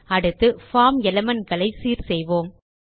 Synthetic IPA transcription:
ɐɽɯt̪ːɯfaːmɛlɐmɐnɡɐɭɐɪsiːɾsɛjʋoːm

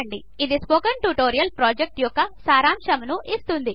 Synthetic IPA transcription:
ɐɳɖi | id̪ispoːkɐnʈuʈoːɾijɐlpɾaːd͡ʒek̚ʈjɔkːɐsaːɾaːmʂɐmnuʔist̪und̪i

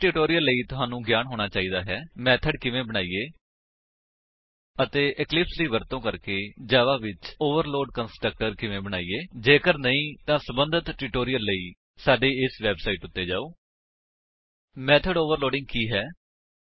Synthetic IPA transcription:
ʈɪʈoːɾɪjəlːəiːt̪ʊɦaːnũːɡjaːnɦoːɽ̃aːt͡ʃaːiːd̪aːɦɛːmɛːt̪ʰəɖkɪʋẽːbəɽ̃aːiːeː | ət̪eːʔɪklɪpsliːʋəɾt̪õːkəɾkeːd͡ʒaːʋaːʋɪt͡ʃoːʋəɾloːɖkənsʈɾək̚ʈəɾkɪʋẽːbəñaːiːeːd͡ʒeːkəɾnəĩːt̪ãːsəbənd̪ʱət̪ʈɪːʈoːɾijəlːəiː | saːɖeːɪsʋɛːbsaːiːʈʊt̪ːeːd͡ʒa̰ːoː | mɛːt̪ʰəɖoːʋəɾloːɖɪ̃ŋɡ̚kiːɦɛː

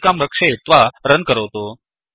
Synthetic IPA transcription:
kamɾəkʂet̪ʋaɾənkəɾəʋt̪o

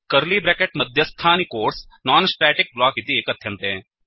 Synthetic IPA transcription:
kɐɾliːbɾɛːkeʈmɐd̪ʱjəst̪ʰaːnikoːɾs | naːnsʈɾɛːʈɪk̚blaːkit̪ieːkɐt̪jɐnt̪ɦẽː

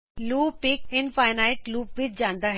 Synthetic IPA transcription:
luːpɪkɪnfaːɪnaːɪʈ̚luːpʋɪtd͡ʑãːnd̪aːɦ

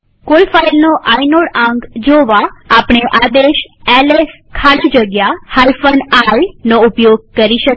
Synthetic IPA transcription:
kolfailnoʔainoɽãŋɡd͡ʒoʋaapɳ̃eʔad̪eʃɛles | kʰalid͡ʒəɡjahajfənainoupjoɡ̚kəɾiʃək

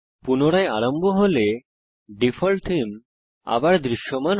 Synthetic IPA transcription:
punoɽaeaɾombʱoɦole | ɖifʰolʈ̪ʰim | a̰baɾd̪ɾiʃːoman

